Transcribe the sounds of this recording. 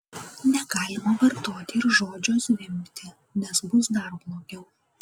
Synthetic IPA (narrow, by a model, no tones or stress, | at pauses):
nʲɛɡɑːlʲɪmɐʋɐɾt̪oːt̪ʲɪɪɾʒoːd͡ʒʲoːsʋʲɪmʲkʲt̪ʲɪ | nʲɛsbʊsd̪ɐɾblˠoːɡʲɛʊ